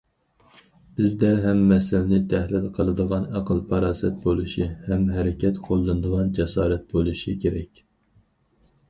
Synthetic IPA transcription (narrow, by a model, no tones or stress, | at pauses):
b̥ɪzd̪ɛɦɛmːɛsɪlnɪt̪ʰɛhlɪlqʰəlˠɨd̪əʁɑnæqʰəlˠpʰɑɾɑːsɛt̪̚bolˠuʃihɛmɦɛɾɪkʲʰɛt̪qʰolˠːɨnd̪əʁɑnd͡ʒɛsɑːɾɛt̪̚bolˠuʃikʲʰeɾɛkʲ